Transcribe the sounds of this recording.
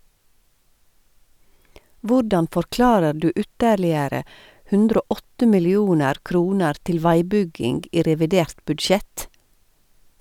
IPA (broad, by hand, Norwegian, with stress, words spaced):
ˈʋʊɖɑn fɔɾˈklɑːɾə ˈɖʉː ˈʉtəɾlɪəɾə ˈhʉndɾ ˈoː ˈɔtə mɪlɪˈuːnəɾ ˈkɾuːnəɾ ˈtɪl ˈʋæɪˌbʏɡɪŋɡ ˈiː ɾɛʋɪˈdeːɾt bʉdˈʃɛt